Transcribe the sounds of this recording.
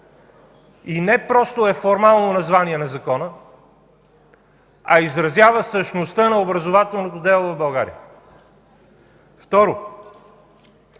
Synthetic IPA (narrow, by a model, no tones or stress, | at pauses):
inɛpɾɔst̪oɛfoɾmalˠnonɐzvaniɛnɐzɐkɔnə | ɐizɾɐzjavəsəʃnost̪ənɐobɾɐzovat̪ɛlˠnot̪od̪ɛlˠovɐvbɐlˠɡaɾḭə̰ | ft̪ɔɾo